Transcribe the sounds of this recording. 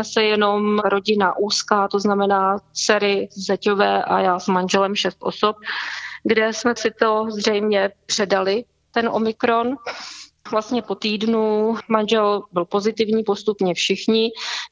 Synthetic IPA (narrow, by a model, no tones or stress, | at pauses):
sɛjɛno̞mɾo̞ɟɪnaʔuːskaːt̪oznamɛnaːt͡sɛɾɪzɛcovɛːʔa̰jaːsmanʒɛlɛmʃɛst̪ʔo̞̰sop̚ɡdɛsmɛsɪt̪o̞zr̝ɛjmɲɛpr̥ɛdalɪ | t̪ɛnʔo̞̰mɪkɾo̞n | vlast̪ɲɛpo̞t̪iːdnumanʒɛlbɪlpo̞zɪt̪ɪvɲiːpo̞st̪upɲɛfʃɪxɲɪ